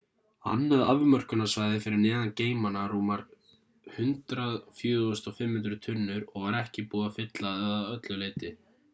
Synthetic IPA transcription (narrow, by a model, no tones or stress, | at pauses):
ha̰nːhaðavmœr̥kʏnːasvaːjðɪfɪɾɪɾnɛːðanceːjmanaruːmaɾ̥ | hʏnt̪ɾaðfjʏːʏst̪ɔfɪmhʏnt̪ɾʏt̪ʰʏnːʏɾɔɣvaɾɛhcɪpuːðafɪt̪laðɛðaœt̪lʏleːjt̪ɪ